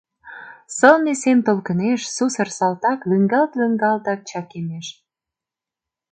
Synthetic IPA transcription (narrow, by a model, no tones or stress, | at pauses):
səlnesent̪olkə̆neʃsusə̆rsɑlt̪ɑklyŋɡɑlt̪ləŋɡɑlt̪ɑk̚t͡ɕɑkemeʃ